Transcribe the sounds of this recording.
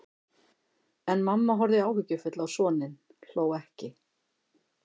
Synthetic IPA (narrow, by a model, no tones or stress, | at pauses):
ɛnmamːaɦɔɾðɪawhʏcːʏfʏt̪lawsɔːnɪn | l̥oːwɛhcɪ